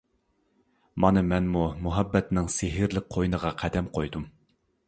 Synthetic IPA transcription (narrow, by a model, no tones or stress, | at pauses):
mɑnɨmɛnmumuɦɛbːɛt̪nɪŋsɪɦɪɾlɪk̚ʲqʰojnəʁɑqʰæd̪ɛmqʰojd̪um